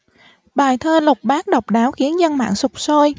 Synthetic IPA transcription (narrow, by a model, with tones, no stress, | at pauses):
ɓaː˨˩jt̪ʰəː˧lʊ˨˩k͡p̚ɓaː˦˥k̚ɗə˨˩wk͡p̚ɗaː˨˦wxi˨˦ənzə˧nma̰ː˧˨ŋsʊ˨˩k͡p̚so˧j